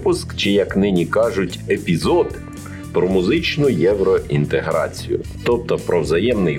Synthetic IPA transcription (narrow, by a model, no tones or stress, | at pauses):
pʊskt͡ʃɪjɐknɪnʲikɑʒʊtʲepʲizɔd̪ | pɾɔmʊzɪt͡ʃnʊjɛʋɾɔʔint̪eɦɾɑ̰t͡sʲḭjʊ̰t̪ɔp̚t̪ɔpɾɔwzɐjɛmnɪj